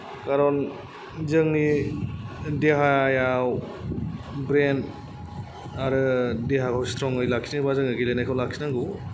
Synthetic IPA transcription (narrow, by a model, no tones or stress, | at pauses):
kaɾɔn | zɯŋni | deɦajaw | bɾen | aɾɯdeɦakʰawstʰɾɔŋɯjlaksʰinabazɯŋɯɡilenajkʰawlak̚sʰinaŋɡu